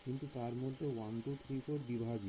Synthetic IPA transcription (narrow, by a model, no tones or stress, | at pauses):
kint̪ut̪aɾmɔd̪ʱːewant̪ut̪ʰɾipʰoɾbibʱaɡi